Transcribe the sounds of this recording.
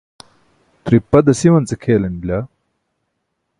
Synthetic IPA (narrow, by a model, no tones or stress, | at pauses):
t̪ɾipːɐd̪ɐsiwɐnt͡sekʰeːlɐnblʲaː